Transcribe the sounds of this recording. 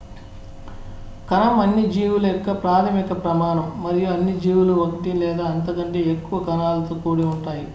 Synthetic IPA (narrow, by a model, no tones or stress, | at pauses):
kɐnɐmɐnːid͡ʒiːwulɛkːɐpɾaːt̪ʰɐmikɐpɾɐmaːɳɐmːɐɾijuɐnːid͡ʒiːʋuluokɐʈilɛːd̪aːɐnt̪ɐkɐɳʈeːekːuʋɐkɐnaːlɐt̪oːkuːɽiuɳʈaːji